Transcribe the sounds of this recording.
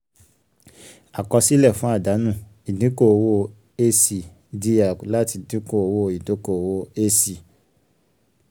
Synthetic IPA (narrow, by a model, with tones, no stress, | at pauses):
a˨kɔ˧si˦lɛ˦˨fũ˨˦a˦˨da˨˦nũ˦˨ | i˨nĩ˨˦ko˦˨wo˧ | e˦si˨ | di˧ja˨la˦ti˧dĩ˦ko˦˨o˨wo˧˨i˨do˨˦ko˦˨wo˧e˦si˨